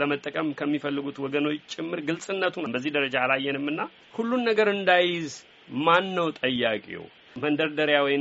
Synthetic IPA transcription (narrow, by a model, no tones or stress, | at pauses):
ləmət̪ʼːəkʼəmkʰəmːifəlːɨɡut̪wɔɡəno̞t͡ʃt͡ʃʼɪmːɨɾɡɨlsʼɨnːət̪ʰunmbəzːihd̪əɾəd͡ʒaːlajːɛnɨmːɨnːa | hulːunːəɡəɾɨnd̪ajɪz | manːəwt̪ʼəjːakʼḭo̰ | mənd̪əɾd̪əɾjawɔj